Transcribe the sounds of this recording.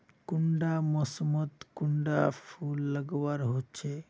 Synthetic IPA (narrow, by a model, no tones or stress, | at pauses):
kuɳɖamɔsmod̪kuɳɖafulːaɡowaɾɦotːɕʰe